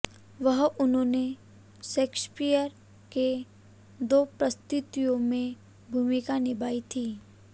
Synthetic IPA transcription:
ʋɐɦʊnɦõːne | seːkspijəɾ | ke | d̪oːpɾəst̪ʊt̪ijõmẽ | bʱuːmɪkanɪbaːit̪ʰiː

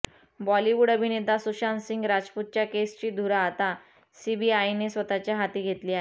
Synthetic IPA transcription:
bɔliʋuɽəbʱined̪asuɕansiŋɡɾad͡zput̪̚t͡ɕjakest͡ɕiːd̪ʱuɾaːt̪a | sibiajnesʋət̪at͡ɕjaɦat̪iːɡʱet̪liːaɦe

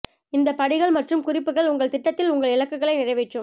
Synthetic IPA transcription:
ɪnd̪ɐpɐɽɪɣɐɭmɐʈrɯmkʊrɪpːɯɣɐɭʊŋɡɐɭt̪ɪʈːɐt̪ːɪlʊŋɡɐɭɪɭɐkːɯɣɐɭɐɪnɪrɐɪʋɛʈrɯm

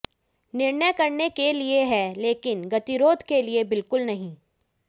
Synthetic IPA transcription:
nɪɾnəjkɐɾnekelieɦɛleːkɪnɡɐt̪iɾoːd̪ʱkeliebɪlkʊlnɐɦĩː

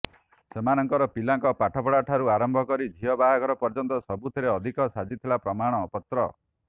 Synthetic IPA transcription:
semanɔŋkɔɾɔpilaŋkɔpaʈʰɔpɔɽaʈʰaɾuaɾɔmbʱɔkɔɾid͡ʒʱiɔbaɦaɡɔɾɔpɔɾd͡ʒɔnt̪ɔsɔbut̪ʰiɾeɔd̪ʱikɔsad͡ʒit̪ʰilapɾɔmaɽ̃ɔːpɔt̪ɾɔ

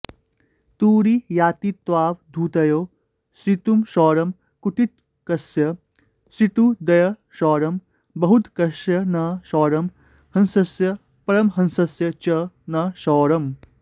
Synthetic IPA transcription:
t̪uːɾijaːt̪it̪waːʋd̪ʱuːt̪ɐjoː | sit̪umʃɔːɾɐm | kuʈit̪ | kɐsjɐ | sit̪ud̪ɐjɐ | ʃɔːɾɐm | bɐɦut̪kɐʃjɐnɐʃɔːɾɐm | hɐ̃nsɐsjɐ | pɐɾɐmɦɐnsɐsjɐt͡ʃɐ | nɐʃɔːɾɐm

